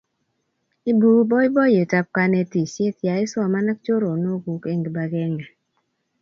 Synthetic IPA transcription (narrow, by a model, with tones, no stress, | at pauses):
i˦bu˦bɔ˦i˦bɔ˦je˨ta˦p̚ka˦ne˨˦ti˨se˦t̪ja˨i˦sɔ˦˨ma˦na˦k̚t͡ʃo˦ɾo˨no˦ɡu˨ke˦ŋɡi˨ba˨ɡɛ˦ŋa˨